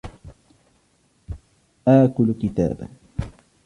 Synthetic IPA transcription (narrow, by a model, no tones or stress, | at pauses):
ʔaːkʊlkɪt̪a̰ːba̰